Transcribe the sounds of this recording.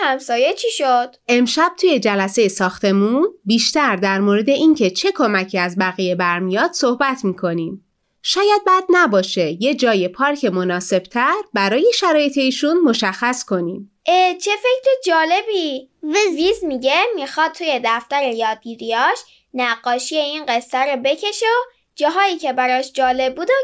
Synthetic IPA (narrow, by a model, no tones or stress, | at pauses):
hæmsɒːjet͡ʃʰiʃod̪̥e̞mʃæb̥̚t̪ʰuːje̞d͡ʒælæsejesɒːxt̪ʰe̞muːnbiːʃt̪æɾd̪æɾmoɾe̞d̪e̞ʔiŋcʰe̞t͡ʃʰe̞kʰo̞mæcʰiæzbæɣije̞bæɾmijɒːd̪̥so̞hbæt̪ʰmiːkʰo̞niːm | ʃɒːjæd̪̚bæːd̪̚næbɒːʃe̞je̞d͡ʒɒːje̞pʰɒːɾcʰe̞mo̞nɒːse̞b̥̚t̪ʰæɾbæɾɒːje̞ʃæɾɒːje̞t̪ʰe̞iːʃunmo̞ʃæxːæskʰo̞niːm | ʔet͡ʃʰe̞fecʰɾed͡ʒɒːle̞bivivizmiɟemixɒːd̪̚t̪ʰuje̞d̪æft̪æɾejɒːd̪̚ɡiɾiɒʃ | næɢːɒːʃijeiːnɢe̞sːæɾobe̞cʰe̞ʃeo | d͡ʒɒːɦɒːiːcʰe̞bæɾɒːʃd͡ʒɒːle̞bːuːd̪o